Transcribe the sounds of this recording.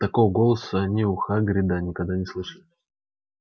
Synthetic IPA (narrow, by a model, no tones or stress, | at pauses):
t̪ɐko̞vəɡolˠəsənʲiʊxaɡɾʲɪd̪anʲɪkɐɡd̪anʲɪslˠɨʂəlʲ